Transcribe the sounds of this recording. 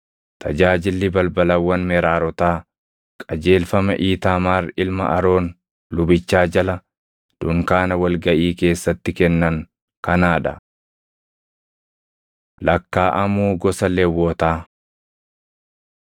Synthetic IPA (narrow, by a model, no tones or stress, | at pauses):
t̪ʰɐd͡ʒaːd͡ʒɪlːɪbɐlbɐlɐwːɐnmɛɾaːɾɔt̪aː | kʼɐd͡ʒe̞ːlfɐmɐ̰ʔiːt̪aːmaːrɪlmɐ̰ʔɐɾo̞ːn | lʊbɪt͡ʃːaːd͡ʒɐlɐ | d̪̥ʊŋkaːnɐwɐlɡɐʔiːke̞ːsːɐt̪ːɪkɛnːɐŋ | kɐnaːᶑɐ̰ | lɐkːaːʔɐmuːɡɔsɐlɛwːoːt̪aː